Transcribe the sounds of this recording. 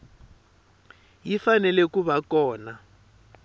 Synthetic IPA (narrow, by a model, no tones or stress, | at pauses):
jifanɛlɛkuβakɔːna